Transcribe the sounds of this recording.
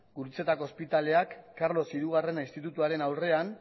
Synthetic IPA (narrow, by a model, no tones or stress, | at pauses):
ɡ̥uɾut͡se̞t̪ako̞ːspit̪ale̞akːaɾlo̞siɾuɣ̞are̞nainst̪it̪ut̪uaɾe̞nawre̞an